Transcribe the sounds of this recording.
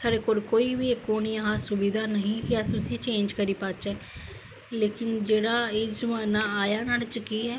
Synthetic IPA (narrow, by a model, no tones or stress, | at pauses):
saːɾeːkoːɾkoːiːʋiːkːoːniːəɦãːsʊbiːd̪aːnəɦĩːkɪaːtʊsĩːt͡ʃẽːnd͡ʒkəɾiːpaːt͡ʃɛː | leːkɪnd͡ʒeːɽaːeːzəmaːnaːaːjaːnaːlt͡ʃəkiːɦɛː